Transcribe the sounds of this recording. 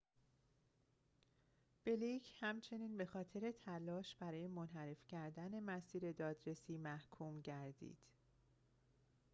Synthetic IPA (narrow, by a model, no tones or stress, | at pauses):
b̥elicʰhæmt͡ʃʰe̞niːnbe̞xɒːt̪ʰe̞ɾe̞t̪ʰælɒːʃb̥æɾɒːje̞monɦæɾe̞fcʰæɾd̪æne̞mæsiːɾe̞d̪ɒːd̪ɾe̞siːmæhkʰuːmɟæɾd̪ḭːd̪̥